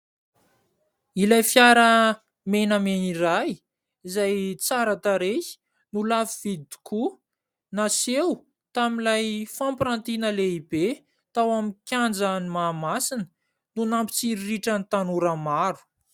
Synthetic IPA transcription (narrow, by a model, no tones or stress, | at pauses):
ilajfjaɾə | menəmeniɾaj | izajt͡saɾat̪aɾeh | nulavivid̪i̥kʰu | nasew | t̪amilajfampɾant̪inəleibe | t̪awamikʲand͡zənimaːmasinə̥ | nunampi̥t͡siɾiːiʈ͡ʂənit̪anuɾəmaɾu̥